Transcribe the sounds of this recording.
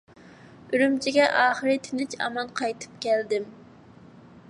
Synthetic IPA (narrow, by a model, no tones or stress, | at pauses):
yɾymt͡ʃʰiɡʲɛʔɑːχəɾɨt̪ʰɪnɪt͡ʃɑ̰mɑnqʰɑjt̪ʰɨ̥p̚kʲʰɛld̪ɪm